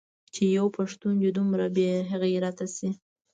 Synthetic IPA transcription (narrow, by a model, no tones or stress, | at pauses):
t͡ʃejawpʰaʂt̪und͡ʒed̪umɾabjeɦaɣeɾat̪asi